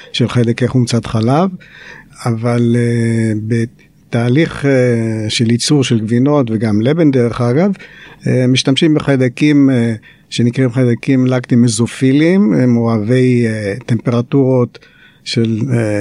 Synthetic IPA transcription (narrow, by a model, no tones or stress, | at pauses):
ʃelχedekeχumt͡sat̪χalav | avalebe | t̪aːliχ | ʃelit͡suʁʃelɡvino̞tveɡamlebendeʁeχaɡavemiʃt̪amʃimbeχad̪akim | ʃenikʁimχadakimlakt̪imezofilimmoave̞jt̪empeʁat̪uʁo̞t | ʃel